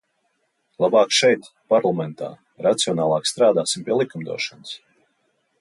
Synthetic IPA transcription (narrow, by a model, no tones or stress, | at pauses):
lˠabɑːkʃɛjt̪ | paɾlˠamɛnt̪a̰ː | ɾat̪siɔnaːlˠɑːkst̪ɾaːd̪aːsimpʲiɛlˠikumd̪ṵɔʃans